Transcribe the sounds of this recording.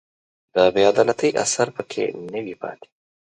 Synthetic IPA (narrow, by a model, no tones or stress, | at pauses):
d̪əbɪjɑd̪alat̪əjʔa̰saɾpəkʰḛnəwipɑ̰t̪e̥